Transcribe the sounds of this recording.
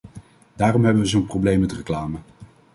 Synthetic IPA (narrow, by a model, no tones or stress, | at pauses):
daːrɔmɦɛbəʋəzownprowblejmɛtrəklaːmə